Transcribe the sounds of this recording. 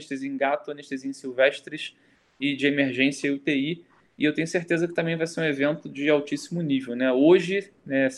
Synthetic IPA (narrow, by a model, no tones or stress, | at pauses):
ʃt̪ezẽj̃ɡat̪ʊɐ̃neʃt̪ezẽj̃siwvɛʃt̪ɾɪʃ | ɪd͡ʒɪemeɾʒẽsijɐut̪ei | ɪewt̪ẽɲjʊseɾt̪ezɐkɪt̪ɐ̃mẽj̃vajseɾũevẽnt̪ʊd͡ʒɪawt͡ʃisimʊnivewnɛoʒɪ | nɛs